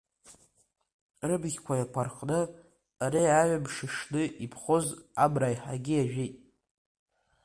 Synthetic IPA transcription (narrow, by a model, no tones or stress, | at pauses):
rɨbɣʲkʷajakʷʰarqʼnɨ | aɾiaɥʷabʂɨʂnɨʔipʰχozabrajħaɡʲɪaʒᶣɪtʼ